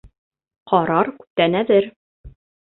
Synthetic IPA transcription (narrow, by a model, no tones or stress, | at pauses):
qʰɒɾɑɾkʉ̥p̚t̪ænæðɘɾ